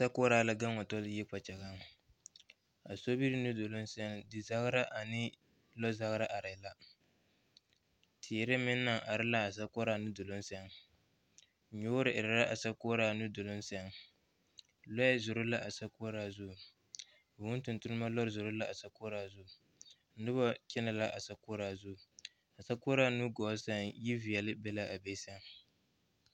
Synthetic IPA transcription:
sa˦ko˦ɾaː˦la˦ɡa˦ŋɔ˨tɔ˦lji˦k͡pa˨t͡ʃɛ˨ɣa˦ŋ | a˨so˦bi˦ɾɪ˦nu˦do˨lo˦nsɛ˦ŋdɪ˨za˦ɣɾa˦ʔa˨nɪ˦ | lɔ˦za˦ɣɾa˦ʔa˨ɾa˨la˦ | tʰi˨ɾɪ˦mɪ˦nːa˨ŋʔa˨ɾɪ˦la˦a˨s̬a˦kɔ˦ɾaː˦nu˦do˨lo˦nsɛ˦ŋ | ɲoː˦ɾɪ˨ʔɪ˨ɾa˨ɾa˦ʔa˨sa˦koː˦ɾaː˦nu˦do˨lo˦nsɛ˦ŋ | lɔ˦zʊ˨ɾʊ˦la˦ʔa˨sa˦ko˦ɾaː˨zʊ˦˨ | ʊ˦n˦tʊ˨ntʊ˦nʊ˦ma˦lɔ˦ɾɪ˨zʊ˨ɾʊ˦la˦a˨sa˨ko˦ɾaː˨zʊ˦˨ | n̩˦dʊ˦bɔ˦kɪ˦na˨la˦ʔa˨sa˨koː˦ɾaː˨zʊ˦˨ | a˨sa˦ko˦ɾa˦nu˦ɡɔ˨˦sɛ˦ŋji˦vi˨jɛ˨lɪ˦bɛ˦la˦ʔa˨be˦sɛ˦ŋ

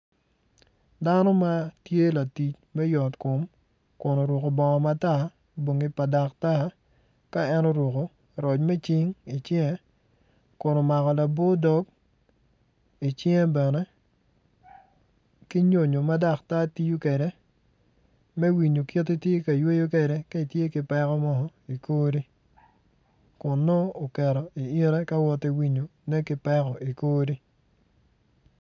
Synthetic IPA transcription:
da˦nɔ˦ma˦tje˦la˨ti˨t͡ʃ | mɛ˦jɔ˨tkʊ˨m | kʊ˨no˨ɾwʊ˨ko˨bɔ˨ŋɔ˨ma˦ta˦ | bwo˨ŋi˦pa˨da˨k̚ta˦ | ka˦ɛ˦nɔ˦ɾwʊ˨ko˨ | ɾɔ˨t͡ʃmɛ˦t͡ʃɪ˦ŋi˨t͡ʃjɛ˦ | kʊ˨no˨ma˨kɔ˨la˨bo˦dɔ˦k | i˨t͡ʃjɛ̃˦bɛ˨nɛ˦ | ki˦ɲo˨ɲo˨ma˦da˦˨kta˦ti˦ju˦kɛ˨ɾɛ˨˦ | mɛ˦wi˨ɲo˨ki˦tːi˦tje˦ka˨jwe˦jo˦k̬ɛ˨ɾɛ˦ka˦i˨tje˦kɪ˦pɛ˦kɔ˦mɔ˦ɦɔ˦i˨koː˦ɾi˦ | kʊ˨nːɔ˦o˨kɛ˨ɾɔ˨i˨i˦ɾɛ˦ka˦wɔ˦ti˦wi˨ɲo˨nɛ˦kɪ˦pɛ˦kɔ˨i˨koː˦ɾi˦

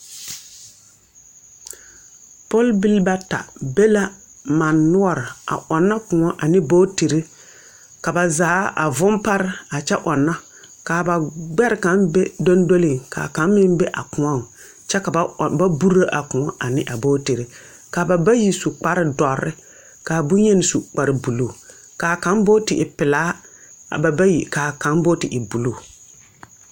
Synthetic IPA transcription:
pɔ˦lbi˦lba˦ta̰˨be˦la˦ | ma˨nːʊ˦ɔ˨ɾɪ˨a̰˨ʔɔ˨nːa˦kʊ̃˨ŋɔ˦ʔa˨nɪ˦boː˦te˨ɾi˦ | ka˨ba˨zaː˨˦a̰˨vʊ˦mpa˦ɾɪ˦a˨t͡ʃɛ˦ʔɔ˨nːa˦ | kaː˨ba˨ɡ͡bɛ˦ɾɪ˨ka˨˦nbe˦do˦ndo˦lɪ˨ŋka̰˨ka˨˦nmɪ˦nbɛ˦ʔa̰˨kʊ̃˨ɔ˦ŋ˨ | t͡ʃɛ˦ka˨˦˨ba˦bu˦ɾa˦ʔa˨kʊ̃˨ɔ˦ʔa˨nɪ˦ʔa˨bo˦te˨ɾe˨ | ka˨ba˨ba˦ji˦su˨k͡pa˦ɾɪ˦dɔ˨ɾɪ̰˦ | ka˨bu˦ɲɛ˦nɪ˨su˨k͡pa˨ɾɪ˨bu˨lo˨ | ka˨ka˨˦nbo˦tɪ˨ʔɪ˨pɪ˨laː˦ | a̰˨ba˨ba˦ji˨ka˨ka˨˦nbo˦tɪ˨ʔɪ˨bu˨lo˦˨

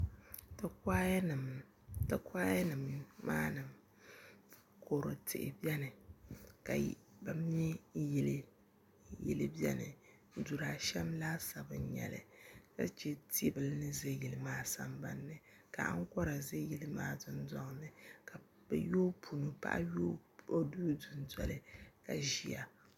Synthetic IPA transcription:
tɨ˨ka˦˨ | ta˨kaː˦ja˦nɨ˨mːa̰ː˦nɨ˨m | ko˨ɾo˨tʰɨ̰˨ʔɪ̰˨bi˦ɛ˦nɨ˨ka̰˨ba˨m˦ɛ˦jɛ˨lɨ˦ | jɛ̰˨lɨ˦bi˦ɛ̰˦nɨ̰˨˦ | du˨ɾa˨ʃɛ˦mlaː˦sa˨bɨ˨˦ɲɛ̰˨lɨ̰˨ka̰˦t͡ʃɛ˦tʰi˦bɨ˨lnɨ˦ze˦ji˨lɨ˨maː˦sa̰˨mba˦nːɨ˨ | ka̰˨a̰˦ŋ˦kɔ˦ɾa˨ze˦ji˦lɨ˦maː˦dɨ˦n˦dɔ˦ŋ˨nɨ˨ka˨ | bɛ̰˨jo˦pʰu˨nu˨pa̰˦ʔa̰˦jo˦o˦duː˦dʊ˨n˦dɔ̰˨lɨ˦ka˨ʒi˦a˨

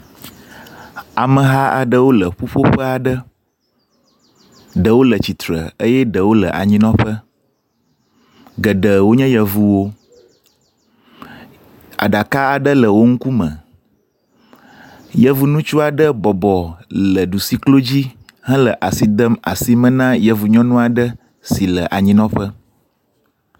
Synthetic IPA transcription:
a˨mə̃˨ɦa˦ʔa̰˨ɖə˦wo˦lə˨ɸu˦ɸo˦ɸə˦a˨ɖə˦ | ɖə˨wo˦lə˨t͡ɕi˨t̪ɾə̰˨ə˦jɛ˦ɖə˨wo˦lə̰˨ʔa̰˨ɲĩ˦nɔ̃˦ɸə˦ | ɡə˨ɖə˨wo˦ɲɛ̃˦jə˨vu˨wo˦ | a̰˨ɖa˨ka˦a˨ɖə˦lə˨wo˦ŋ̩˦ku˦mə̰̃˨ | jə˦vu˨nũ˦t͡ʃu˦a˨ɖə˦bɔ˨bɔ˨lə˨ɖu˨si˦klo˦d͡ʑi˦ | ɦə̃˦lə˨ʔa˨si˨d̪ə˦ma̰˨si˦mə̃˦nã˦jə˨vu˨ɲɔ̃˦nũ˦a˨ɖə˦ | si˨lə˨ʔa˨ɲĩ˦nɔ̃˦ɸə˦

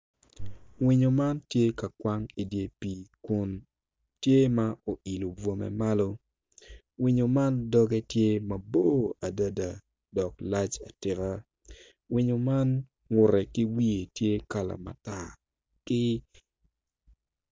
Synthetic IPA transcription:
wi˨ɲo˨ma˦ntje˦ka˨kwa˦ŋi˨dje˨piː˨ku˦n | tje˦ma˦o˨ʔi˨lo˨bwo˨mɛ̰˨ma˦lo˦ | wi˨ɲo˨ma˦ndɔ˦ɡɛ˦tje˦ma˨bo˦a˨da˦da˨ | dɔ˨kla˦t͡ʃa˨tɪ˨ɾa˦ | wi˨ɲo˨ma˦n | ŋʊ˨ɾɛ˨kɪ˦wi˦e˨tje˦ka˦la̰˨ma̰˨ta˦˨ | kɪ˦

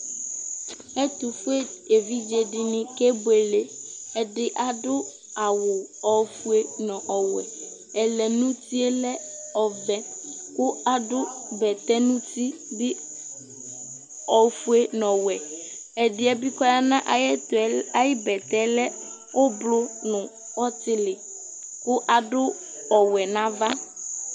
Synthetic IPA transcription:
ɛ˦t̪u˨fu˦e˦e˨vi˦d͡ʒe˨ɖɪ˦nɪ̃˦ke˦bo˦e˨le˦ɛ˦ɖɪ˦ʔa˨ɖʊ˦ | a˨wʊ˨ɔ˨˦fu˦e˦nɔ̃˨ʔɔ˨wɛ̰˨ | ɛ˨lɛ˨nũ˦t̪i˦e˦lɛ˦ɔ˨bɛ˦kʊ˦a˦ɖʊ˦bɛ˨t̪ɛ˦nũ˦t̪i˦dɪ˦ | ɔ˨fu˦e˦nɔ̃˨wɛ˨ɛ˨dɪ˦ɛ˦bi˦kɔ˦ja˦nã˦ʔɛ˦ta˨˦jɪ˦bɛ˨t̪ɛ˦lɛ˦ | ʊ˦blʊ˦nʊ̃˨ | ɔ˦t̪ɪ˦lɪ˨ | kʊ˦ʔa˨dʊ˦ | ɔ˨wɛ˨nã˦va˦

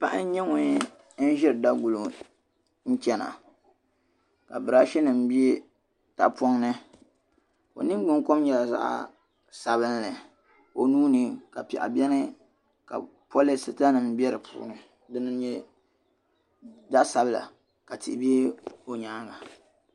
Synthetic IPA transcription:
pa˦ʔa̰˦n˦ɲɛ˦ŋʊ˨ɲ˦ | n̩˦ʒɛ˦ɾɨ˨da˦ɡu˨lo˨ | n̩˦t͡ʃɛ˦na̰˨ | ka̰˨bɨ˨ɾa˦ʃɛ˦nɨ˨m̩˦bi˦e˦ | ta̰˨pɔ˦ŋnɨ˦ | o̰˨nɨ˦ŋ˦ɡ͡bʊ˦ŋ˦ko˦mɲɛ˨la˨za̰˦ʔ | sa˨βɨ˦nlɨ˨ | o˨nuː˦nɨ˨ka˨pɛ̰˨ʔa̰˨bʲɛ˦nɨ˦ | ka̰˨ | po˦lɨ˦sɨ˨ta˦nɨ˨m˦bɛ˦ɾɨ˨pʰṵː˨˦nɨ˨ | dɨ˦nɨ˦ɲɛ˦ | za˦sa˨bɨ˦la̰˨ | ka˨tɪ̰˨ʔbi˦e˦o˨ɲaː˦ba˨

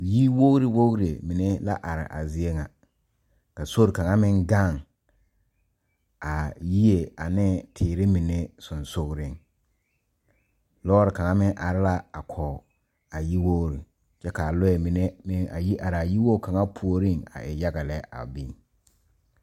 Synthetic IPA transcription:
ji˦wo˦ɣɾi˨wo˦ɣɾe˨mi˨ne˦la̰˦ʔa˨ɾɪ̰˨ʔa̰˨zɪ˦e˦ŋa˨ | ka˨so˦ɾka˨ŋa˦mɪ̃˦ŋɡa˦˨ŋ | a˨ji˦e˨a˨nɪ˦tʰɪː˨ɾɪ˦mi˨ne˦sʊ˨nsʊ˦ɣɾɪ˦ŋ | lɔː˦ɾɪ˨ka˨ŋa˦mɪ˦ŋʔa˨ɾɪ˦la˦a˨kʰɔ˨ | a˨ji˦wo˦ɣɾi˨ | t͡ʃɛ˦ka˨lʊ˦ɛ˨mi˨ne˦mɪ˦ŋa̰˨ji˦ʔa˨ɾa˨ji˦wo˦˨kʰa˨ŋa˦pʰu˨o˨ɾi˦ŋa̰˨ʔɪ˨ja˦ɡa˨lɛ˦a̰˨bi˦˨ŋ

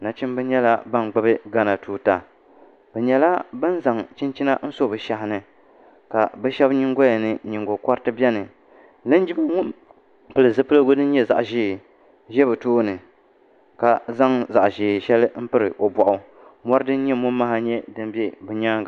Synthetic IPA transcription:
na˨t͡ʃi˦m˦bɨ˦ɲɛ˦la˦ba˦ŋ˨ɡ͡bɨ˦bɨ˦ɡa˦na˨tuː˦ta˨ | bɛ˨ɲɛ˨la˦bɨ˦n˦za˨ŋt͡ʃɪ˦nt͡ʃi˦na̰˦n̩˦so˦˨bɨ˨ʃa˨hɪ˨nɨ˨ | ka̰˨bɨ˦ʃɛ˦bɲi˦ŋɡo˦ja˨nɨ˨ɲi˨ŋɡo˨kɔ˦ɾtɨ˦bɛ˦nɨ˨ | lɨ˦n˦d͡ʒi˦ba˦ŋʊ˦m | pɨ˨lɨ˨zɨ˦pɨ˦lɨ˦ɡo˦dɨ˦n̩˦ɲɛ˦za̰˨ʔʒiː˦˨ | ʒɛ˦bɨ˨tuː˦nɨ˨ | ka˨za˦ŋza˨ʔʒɪː˨ʃɛ˦lɨ˦m̩˦pɨ˦ɾɨ˨ʔo˨bʷɔ˨ʔʊ˨ | mɔ˦ɾɨ˦dɨ˦n˦ɲɛ˦mʊ˦mː˦a˦ɦa˦ɲɛ˦dɨ˦m˦bɛ˦bɨ˨ɲaː˦

